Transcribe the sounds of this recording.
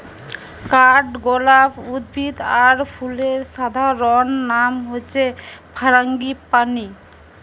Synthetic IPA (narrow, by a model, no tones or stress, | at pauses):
kaʈɡɔlabud̪bʱid̪aɾpʰuleɾʃad̪ʱaɾɔnːamɦojet͡ɕʰepʰaɾaŋɡipani